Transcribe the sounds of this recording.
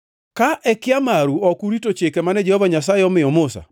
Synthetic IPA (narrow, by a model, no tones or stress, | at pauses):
kaʔɛkɪamaɾuɔkuɾitot͡ʃekɛmanɛd͡ʒɛhɔvaɲas̬aɪɔmɪɔmʊsa̰